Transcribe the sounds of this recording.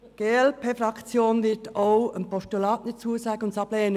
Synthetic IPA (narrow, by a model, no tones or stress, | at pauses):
ɡ̥eːɛlpʰeːfɾɑkt͡sjoːnʋɪtʰoʊənpʰɔstulɑːtnɪt͡suːəsɑːɡ̥əʊntsɑb̥leːənə